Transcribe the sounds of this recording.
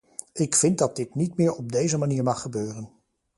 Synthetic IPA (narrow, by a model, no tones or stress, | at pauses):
ɪkfɪnt̚dɑd̚dɪtnitmɪːɹɔb̚dejzəmaniːɹmɑχːəbøːrən